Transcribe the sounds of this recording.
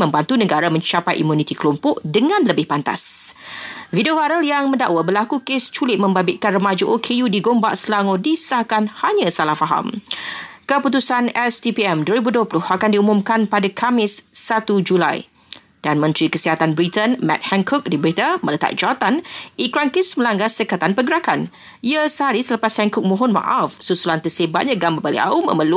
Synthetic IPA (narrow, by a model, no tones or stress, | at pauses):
mə̃mbant̪unə̃ɡaɾamə̃ɲt͡ʃapajʔḭmunĩt̪ikəlɔmpɔʔdəŋãnləbɪhpant̪a̰s | vidiovaɾəljaŋmə̃nda̰ʔwabəlakukest͡ʃulɪt̪̚mə̃mbabɪt̪̚kanrəmad͡ʒuʔokʰejudiɡombaʔsəlaŋɔdisakanhaɲãsalahfaɦa̰m | kəput̪usanɛst̪ipiɛmduəɾibuduəplʊhakandiumũmkanpadakʰamɪsːat̪ud͡ʒula̰j | d̥anmə̃nt̪ɾikəsiɦat̪anbɾit̪ənmɛ̰t̪̚hɛŋkʰɔk̚dibəɾit̪amə̃lət̪a̰ʔ̚d͡ʒaat̪anikɾaŋkismə̃laŋɡasəkat̪anpəɡəɾakan | iasəɦaɾisələpashɛŋkʊk̚mɔ̃ɦɔnmã̰ʔafsusulant̪əsebat̪̚ɲãɡambabalḭa̰umə̰̃məlu